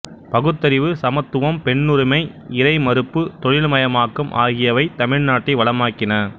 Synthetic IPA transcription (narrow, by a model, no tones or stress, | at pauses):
pɐɣɯt̪ːɐɾɪʋɯsɐmɐt̪ːɯʋɐmpɛɳːʊɾɪmɐɪ | ɪɾɐɪmɐɾɯpːɯt̪ɔɻɪɭmɐjɐmaːkːɯmʔa̰ːɣɪjɐʋɐɪt̪ɐmɪɻnaːʈːɪʋɐɭɐmaːkːɪnɐ